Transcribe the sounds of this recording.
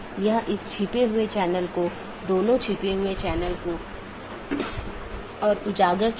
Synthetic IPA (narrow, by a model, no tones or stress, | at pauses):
jɐɦãʔɪst͡ʃʰiːpeɦʊet͡ʃɛːnəlko | d̪oːnõt͡ʃʰiːpeɦʊet͡ʃɛːnəlko | ɔːɾʊd͡ʒaːɡəɾt͡ʃ